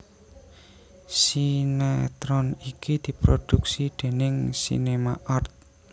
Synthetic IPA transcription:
sinɛt̪ɾɔnikid̪̥i̤pɾod̪̥uksid̪̥e̤nɪŋsḭnema̰ʔɔrt̪̚

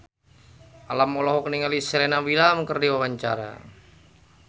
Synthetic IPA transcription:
ʔalamːɔlɔɦɔkəniŋalisəɾɛnawilamkərdiwawaɲt͡ʃa̰ɾa̰

